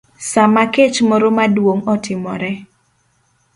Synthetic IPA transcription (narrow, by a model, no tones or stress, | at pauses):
samaket͡ʃmɔɾɔmadwoŋɔtɪmɔɾɛ